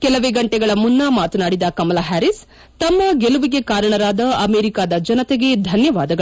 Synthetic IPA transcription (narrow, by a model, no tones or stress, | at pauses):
kɛlɐʋeːɡɐɳʈɛɡɐɭɐmunːɐmaːt̪unaːɽid̪ɐkɐmɐlaːɦæːɾis | t̪ɐmːɐɡeluʋiɡe̞kaːɾɐɳɐɾaːd̪ɐɐmeːɾikaːd̪ɐd͡ʒɐnɐt̪ɛɡe̞d̪ʱɐnjɐʋaːd̪ɐɡɐ